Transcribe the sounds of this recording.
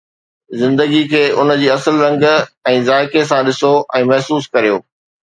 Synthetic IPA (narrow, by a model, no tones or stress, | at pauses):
zɪ̃nd̪əɡikʰeːʊnə̆d͡ʑiːɐsəlɾɐ̃ŋɡɛ̃ːzaːɪkes̬ãɗɪsoʔɛ̃ːmɐɦsuːskɐɾijoː